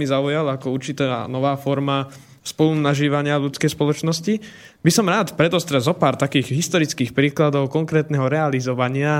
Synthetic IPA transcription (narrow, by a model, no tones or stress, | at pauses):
izaujalakɔuɾt͡ʃit̪anɔʋaːfɔɾma | spɔlunaʒiːʋaɲɪaʎut͡skɛjspɔlɔt͡ʃnɔsci | bisɔmɾaːt̪pɾɛd̪ɔst̪ɾɛzɔpaːɾt̪akiːɣɦist̪ɔɾit͡skiːxpɾiːklad̪ɔʊkɔŋkɾɛːt̪nɛɦɔɾɛalizɔʋaɲɪa